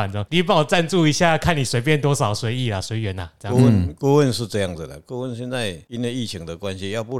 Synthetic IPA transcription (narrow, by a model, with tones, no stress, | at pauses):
a˨˩nt͡sɔ˧˦ŋli˥˩p̬a˥˩wt͡sa˥˧nt͡su˥˧i˧ɕja˥˧˨kʰa˥˨nli˨˩swe˧˥ɪp̬jɛ˥˨nt̪̬wɔ˥sɑ˨˩ʊswe˧˦ɪi˥˩la˨˩swe˧˦ɪɥɛ˨˦nla˨t͡sə˦˧˥ə˥nku˥˧wə˥˨nʂɻ̩˥˧ʈ͡ʂɤ˥˧jɑ˥˩ŋd͡z̩˨˩d̪ə̰˨˩kwo˥˧wə˥˧˨nɕjɛ˥˧nt͡sa˥˧ɪi˦nwe˥˧i˥˩t͡ɕʰi˧˥ŋd̪ə˨kwa˦nɕi˧jɑ˥˧ʊpu˥˧